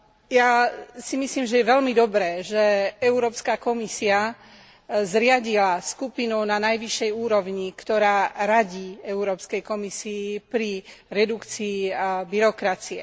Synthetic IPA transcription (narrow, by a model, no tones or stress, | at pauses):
jasimisliːmʒɛjɛʋɛlmid̪ɔbɾɛːʒɛɛuɾɔːpskakɔmisia | zɾɪaɟilaskupinɔʊnanajʋiʃːɛjuːɾɔʋɲikt̪ɔɾaːɾaɟiːɛuɾɔːpskɛjkɔmisiːpɾiɾɛd̪ukt͡siːbiɾɔkɾat͡siɛ̰